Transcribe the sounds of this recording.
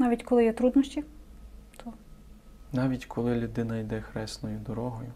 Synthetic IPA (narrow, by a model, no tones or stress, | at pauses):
nɑʋʲitʲkɔlˠɪjɛt̪ɾud̪nɔsʲtʲi | t̪ʰɔ | nɑʋʲitʲkʰɔlˠɪlʲʊd̪ɪnɐjd̪ɛxɾɛsnɔjʊd̪ɔɾɔɦɔjʊ